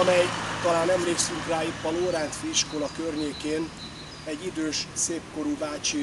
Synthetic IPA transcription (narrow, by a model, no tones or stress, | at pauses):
mɛjt̪ɒlaːnɛmleːksyŋkraːjipːɒloːɾaːnt̪fiʃkolɒkørɲeːkeːn | ɛɟːid̪øːʃseːpko̞ɾuvaːt͡ʃi